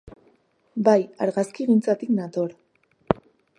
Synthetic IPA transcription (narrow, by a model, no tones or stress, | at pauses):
bajaɾɣaskiɣint͡sat̪iknat̪o̞ɾ